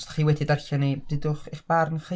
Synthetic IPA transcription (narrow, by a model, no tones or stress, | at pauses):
stʰḁχiːwɛdidarɬanibɨdʊχiχb̥arnχə